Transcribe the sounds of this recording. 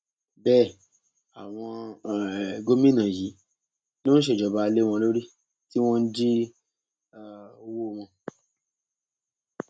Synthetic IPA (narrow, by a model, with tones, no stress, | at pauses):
bɛː˦˨ | a˨w̃ɔ̃˧˨ | ɡo˦mĩ˦nã˨ji˨˦ | no˦ñ̩˦ʃ̬e˦˨d͡ʒɔ˨ba˧le˦w̃ɔ̃˧lo˦ɾi˦ | ti˦w̃ɔ̃˦n̩˦d͡ʒi˦˨ | o˧wo˦˨w̃ɔ̃˧